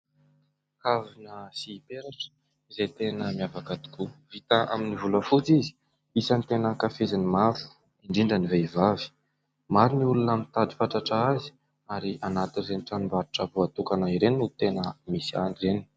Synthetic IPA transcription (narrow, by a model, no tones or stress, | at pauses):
kavinəsipeɾaʈ͡ʂə̥ | izet̪enəmiavakad̪u̥kuvit̪aʔa̰minivuləfut͡sizi̥ | isənit̪enəkafezanimaɾu̥ | iɳɖ͡ʐiɳɖ͡ʐəniveivavi̥ | maɾiniulunamint̪ad̪i̥faʈ͡ʂaʈ͡ʂaazi̥ | aɾiʔanat̪inreniʈ͡ʂanumbaɾʈ͡ʂəbuat̪ukanaiɾenut̪enəmisia̰nireni̥